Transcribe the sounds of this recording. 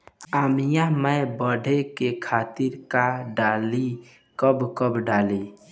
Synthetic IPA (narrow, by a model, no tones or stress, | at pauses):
aːmijãməjbəɖʱekekʰaːt̪iɾkaɖaːli | kəbkəbɖali